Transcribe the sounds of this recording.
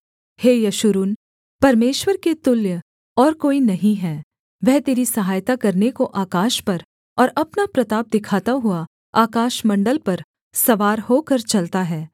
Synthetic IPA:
heːjɐʃʊɾuːn | pɐɾmeːʃwəɾket̪ʊljə | ɔːɾkoːinɐɦĩɦɛː | ʋɛɦt̪eːɾisɐɦaːjt̪akɐɾnekoʔaːkaːʃpɐɾ | ɔːɾɐpnapɾɐt̪aːb̚d̪ɪkʰaːt̪aɦʊa | aːkaːʃmɐ̃ɳɖəlpɐɾ | sɐʋaːɾhoːkɐɾt͡ʃɐlt̪aɦɛː

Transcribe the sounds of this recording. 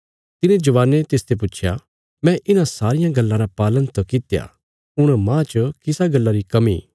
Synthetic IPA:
t̪ɪnẽd͡ʒɐʋaːnːet̪eːst̪ep̬ʊt͡ʃʰja̰ | mɛ̃ʔɪnãsaːɾɪjãɡɐlːãɾapaːlənt̪okɪt̪ja̰ | ʊɽ̃mãːt͡ʃkɪsaɡɐlːaɾikɐmḭ

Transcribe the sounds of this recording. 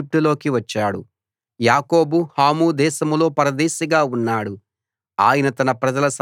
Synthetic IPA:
ip̚ʈulo̞ːkiʋɐt͡ʃːaːɽṵ | jaːko̞ːbuhaːmuːd̪ɛːʃɐmulo̞ːpɐɾɐd̪ɛːʃiɡaːunːaːɽu | aːjɐnɐt̪ɐnɐpɾɐd͡ʒɐlɐs

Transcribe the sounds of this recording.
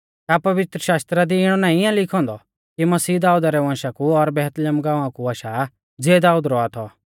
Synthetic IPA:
japɐʋɪt̪ɾəʃaːst̪ɾad̪iɪɽ̃ɔnãːĩɪjãlɪkʰɔ̃ːnd̪ɔ | kimɐsiːd̪aːuːd̪aɾɛʋãːʃakuɔɾbɛːɦt̪ljəmɡãːʋãkuaːʃa | d͡zeːd̪aːuːd̪ɾɔat̪ʰɔ

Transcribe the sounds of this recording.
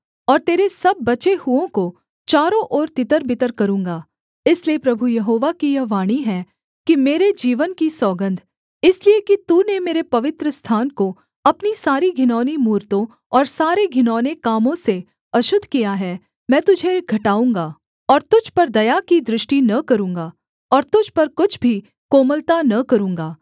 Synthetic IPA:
ɔːɾt̪eːɾesɐbːɐt͡ʃehʊõko | t͡ʃaːɾõʔɔːɾt̪ɪt̪əɾbɪt̪əɾkɐɾũːŋɡaː | ɪsliepɾɐbʱujɐɦoːʋakijɐʋaːɽ̃iɦɛː | kimeːɾed͡ʒiːʋənkisɔːɡə̃nd̪ʱ | ɪsliekit̪uːnemeːɾepɐʋɪt̪ɾəst̪ʰaːnko | ɐpnisaːɾiɡʱɪnɔːnimuːɾt̪õ | ɔːɾsaːɾeɡʱɪnɔːnekaːmõse | ɐʃʊd̪ʱkijaɦɛ | mɛ̃ːt̪ʊd͡ʒʱeɡʱɐʈaːũːŋɡaː | ɔːɾt̪ʊd͡ʒʱpɐɾd̪ɐjakid̪ɾɪʃʈinɐkɐɾũːŋɡaː | ɔːɾt̪ʊd͡ʒʱpɐɾkʊt͡ʃʰbʱi | koːməlt̪anɐkɐɾũːŋɡaː

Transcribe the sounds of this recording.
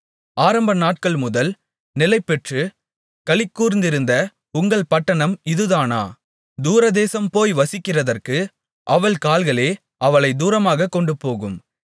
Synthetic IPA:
aːɾɐmbɐnaːʈ̚kɐɭmʊðɐl | nɪlɐɪpːɛʈrɯ | kɐɭɪkːuːɾɪnd̪ɪɾɯnd̪ɐ | ʊŋɡɐɭpɐʈːɐɳɐmɪðɯðaːna̰ː | d̪uːɾɐd̪eːsɐmpoːjʋɐsɪkːɪrɐðɐrkɯ | ʔɐʋɐɭkaːlɣɐɭeː | ɐʋɐɭɐɪd̪uːɾɐmaːɣɐkːɔɳɖɯpoːɣɯm

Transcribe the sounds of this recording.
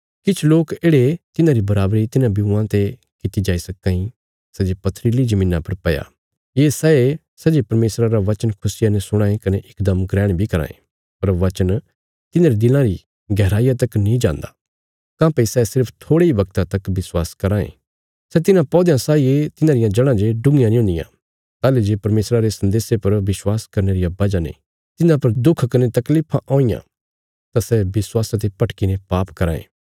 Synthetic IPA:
kɪt͡ʃʰloːkeːɽet̪ɪnãɾibɐɾaːbɾit̪ɪnãbiuãt̪e | kɪt̪id͡ʒaːisɐkːãĩ | sɛd͡ʒepɐt̪ʰɾilid͡ʒɐmĩːnãpɐɾpɐja̰ | jeːsɛe | sɐd͡ʒepɐɾmeːsɾaɾaʋɐt͡ʃənkʰʊsɪjanesʊɽ̃ãːẽkɐneʔɪkd̪ɐmɡɾɛːɽ̃bʱikɐɾã̰ːḛ̃ | pɐɾʋɐt͡ʃən | t̪ɪnãɾid̪ɪlãɾi | ɡɛːɾaːijat̪ɐknĩd͡ʒã̰ːnd̪a̰ː | kãːpɐisɛsɪɾpʰt̪ʰoːɽeiʋɐk̚t̪ãt̪ɐkʋɪswaːskɐɾãːḛ̃ː | sɛt̪ɪnãpɔːd̪jãsaːiet̪ɪnãːɾɪjãd͡ʒɐɽ̃ãd͡ʒeɖʊ̃ŋɡɪjãnĩʊ̃ːnd̪ɪ̰jã̰ | t̪aːled͡ʒepɐɾmeːsɾaɾesɐ̃nd̪eːsepɐɾʋɪswaːskɐɾneɾijabɐd͡ʒanḛ | t̪ɪnãpɐɾd̪ʊkʰkɐnet̪ɐkliːpʰãʔõːĩjã̰ | t̪asɛbɪswaːsãt̪̬epɐʈkɪnepaːpkɐɾa̰ːḛ̃ː

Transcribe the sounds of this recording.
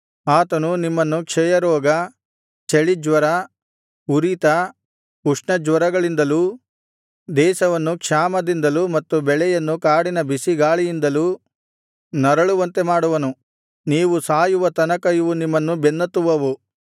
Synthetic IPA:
aːt̪ɐnunimːɐnːukʂɛjɐɾɔːɡɐ | t͡ʃeɭid͡ʒʋɐɾɐ | uɾit̪ɐ | uʂɳɐd͡ʒʋɐɾɐɡɐɭind̪ɐlu | d̪ɛːsɐʋɐnːukʂaːmɐd̪ind̪ɐlumɐt̪ːubɛɭɛjɐnːukaːɽinɐbisiɡaːɭijind̪ɐlu | nɐɾɐɭuʋɐnt̪e̞maːɽuʋɐnu | niːʋusaːjuʋɐt̪ɐnɐkɐjuʋunimːɐnːubenːɐt̪ːuʋɐʋu

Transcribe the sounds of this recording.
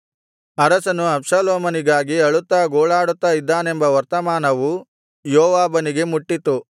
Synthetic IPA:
ɐɾɐsɐnuɐpʂaːloːmɐniɡaːɡiɐɭut̪ːaːɡoːɭaːɽut̪ːaːid̪ːaːne̞mbɐʋɐɾt̪ɐmaːnɐʋu | jɔːʋaːbɐniɡe̞muʈːit̪u

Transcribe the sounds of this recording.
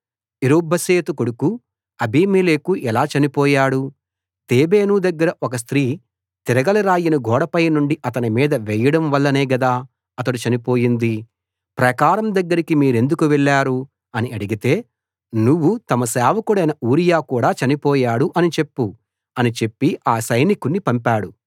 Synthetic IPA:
iɾobːɐseːt̪ukoɽuku | ɐbiːmeːleːkuʔɛlaːt͡ʃɐnipɔːjaːɽu | t̪eːbeːnud̪ɐɡːɐɾɐʔɔkɐs̬t̪ɾiː | t̪iɾɐɡɐlɐɾaːjinɐɡɔːɽɐpɐjnuɳɖiʔɐt̪ɐnimiːd̪ɐʋɛːjɐɽɐmʋɐlːɐneːɡɐd̪aː | ɐt̪ɐɽut͡ʃɐnipo̞ːjind̪i | pɾɐkaːɾɐmd̪ɐɡːɐɾikimiːɾe̞nd̪ukuʋɛɭːaːɾu | ɐniɐɽiɡit̪e̞ː | nuʋːut̪ɐmɐsɛːʋɐkuɽɐjnɐʔuːɾijaːkuːɽaːt͡ʃɐnipɔːjaːɽuʔɐnit͡ʃe̞pːu | ɐnit͡ʃe̞pːiaːsɐjnikunːipɐmpaːɽu

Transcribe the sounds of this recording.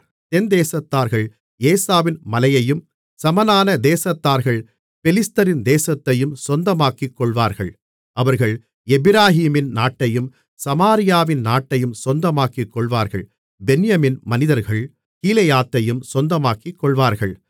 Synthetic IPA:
t̪ɛnd̪eːsɐt̪ːaːɾɣɐɭ | eːsaːʋɪnmɐlɐjɐjɯm | sɐmɐnaːnɐd̪eːsɐt̪ːaːɾɣɐɭ | pɛlɪst̪ɐɾɪnd̪eːsɐt̪ːɐjɯmsɔnd̪ɐmaːkɪkːɔɭʋaːɾɣɐɭ | ʔɐʋɐɾɣɐɭ | ɛbɪɾaːɦiːmɪnnaːʈːɐjɯm | sɐmaːɾɪjaːʋɪnnaːʈːɐjɯmsɔnd̪ɐmaːkɪkːɔɭʋaːɾɣɐ̰ɭ | bɛnɪjɐmɪnmɐnɪðɐɾɣɐɭ | kiːlɐjaːt̪ːɐjɯmsɔnd̪ɐmaːkɪkːɔɭʋaːɾɣɐɭ

